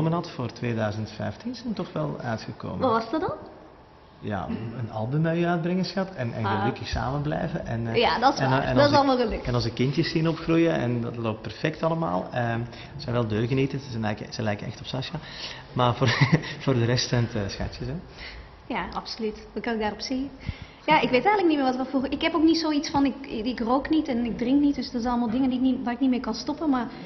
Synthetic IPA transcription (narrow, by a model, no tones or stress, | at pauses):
omənɦɑtfoːrtʋeːdœɥzəntfɛ̰jftinzɛjntɔxʋɛlˠœ̰ɥtxəko̰ːməɔɑsdɔdɑn | ja̰ənɑ̰lˠdənœjœɥd̚brɪŋəsxɑtʰɛnʔɛ̰nɣəlɵkəxsa̰ːmənblɛ̰jvəʔɛnjadɔsɛ̰nɑlˠmalˠɣələkɛnɑnzəkɪntjəsinɔpxrujəɛ̰ndɑtloːp̚pɛrfɛktɑləma̰ːlˠəm | əzɛnʋɛlˠdøːɣənitəznlɛjkəz̥əlɛjkənɛ̰xtɔ̥psaʃa | maːrvoːv̥oːrdəɾɛstɛntəsxa̰tjəsɛ | jaːʔɑpsolytʋɑkɑnɪkɡdaːrɔpsi | jaːɪkʋeːtɛjɣələk̚nitmɪːrʋɑtʋɔfoːɪkɦɛpoknitsoːitsfɑnɪkɪkroːknitɛnɪɡ̚drɪŋknit̚dɵsdərzɛnɑlˠəmaːlˠdɪŋəndiɪkniʋaːrɪknitmɪːɹkɑnstɔpənmaːr